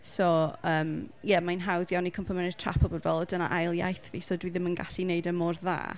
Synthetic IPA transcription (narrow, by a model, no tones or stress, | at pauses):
sɔəːmjɛmajnɦawðjawnikʰəmpʰəmɛnɪ̥tʰr̥a̰pʰɔbɔdvɛlˠɔdəna̰ʔajlˠja̰jθvisɔdwiðɪmənɡa̰ɬineɨdəmɔrða̰ː